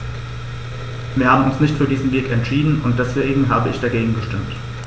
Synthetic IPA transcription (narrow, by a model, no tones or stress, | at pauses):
viːɐhaːbm̩ʊnsnɪçtfyːɐdiːzn̩veːkɛntʃiːdn̩ʊnt̚d̥ɛsv̥eːɡŋ̩ɦaːbəɪçd̥aɡeːɡŋ̩ɡəʃtɪmt